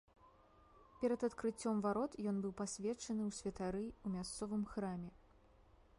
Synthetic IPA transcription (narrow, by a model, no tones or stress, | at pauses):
pʲɛɾɐd̪ɐt̪kɾɨt͡sʲːɔmvaɾɔt̪jɔnbɨwpasʲvʲɛt͡ʂɐnɨwsʲvʲɐt̪aɾɨumʲast̪sɔvɨmxɾamʲɛ